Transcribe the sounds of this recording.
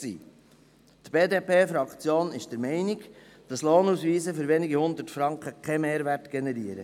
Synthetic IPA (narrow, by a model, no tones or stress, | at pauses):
sḭː | tb̥eːdeːpʰeːfɾɑkt͡sjoːnɪʃd̥əɾmɛɪnɪɡ | d̥ɑsloːnusviːzəfʏɾvɛniɡihʊnd̪ətfɾɑŋkχəkʰɛmeːɾværtɡ̥enɛɾiəɾə